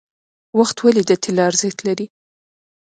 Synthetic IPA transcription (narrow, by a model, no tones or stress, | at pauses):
waxt̪walid̪ət̪ʰelɑɾzet̪laɾi